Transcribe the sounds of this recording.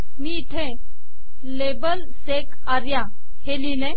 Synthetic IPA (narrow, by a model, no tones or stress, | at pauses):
miʈʰẽ | lebəl | sek | aɾja | helilẽ